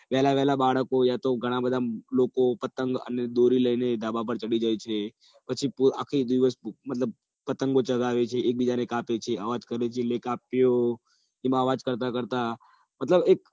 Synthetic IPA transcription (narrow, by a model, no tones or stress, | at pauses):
ʋɛɦlaʋɛɦlabaɭəkojat̪oɡʱəɽ̃ãbəd̪ʱalokopət̪əŋɡə̰ned̪oɾiləined̪abap̬əɾt͡ʃəɽid͡ʒajt͡ʃʰe | pət͡ʃʰipua̰kʰid̪iʋəsmət̪ləb̚ | pət̪əŋɡot͡ʃəɡaʋet͡ʃʰeʔek̚bid͡ʒanekapet͡ʃʰeaʋad͡ʒkəɾet͡ʃʰelekapjo | imaʋad͡ʒkəɾt̪akəɾt̪a | mət̪ləbek̚